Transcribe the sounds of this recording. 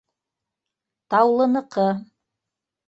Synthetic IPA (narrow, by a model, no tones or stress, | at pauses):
t̪ɑwlˠɤ̆nɤ̆qʰɤ